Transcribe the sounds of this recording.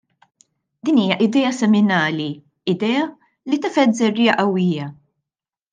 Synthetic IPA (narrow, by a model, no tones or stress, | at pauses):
d̪̥iːniːjɐʔɪd̪ɛːɐsɛmɪnɐːli | ɪd̪ɛːɐ | lit̪ɐfɛt̪zɛrːiːjɐʔɐwːiːjɐ